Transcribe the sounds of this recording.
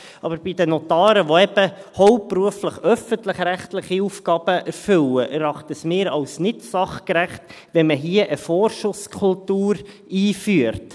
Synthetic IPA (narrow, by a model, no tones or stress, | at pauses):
ʔɑbəɾb̥idənɔt̪ɑːɾəʋoɛb̥əhɔʊppːruəfləχœfəntləχɾæχtlɪχiuːfkɑːb̥əʔɛɾfʏləʔɛɾɑχtəsmɪːɾɑʊsnɪtsɑχkɾæχt | ʋɛnməɦiːəʔəfɔːrʃʊskʰʊltuːɾ | iːfyəɾt